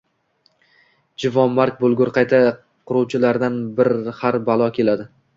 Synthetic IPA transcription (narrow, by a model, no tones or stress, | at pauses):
d͡ʒɪvɒmːaɾk̚ʲbolˠɡʊɾqʰɑjt̪ʰa | qʰʊɾuwt͡ʃʰɪlaɾd̪anbɪɾhaɾbalˠɒkʲʰe̞lad̪ɪ